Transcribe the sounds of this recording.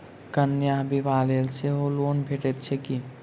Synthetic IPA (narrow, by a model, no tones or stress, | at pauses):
kənjaɦbʱiʋalelseɦolonbʱeʈɛt̪̚t͡ʃʰɛki